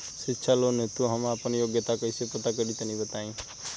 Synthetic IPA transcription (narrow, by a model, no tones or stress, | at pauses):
ʃɪtːʃʰalonet̪ũɦəmapənjoɡjət̪akəisepət̪akəɾit̪ənĩbət̪aĩ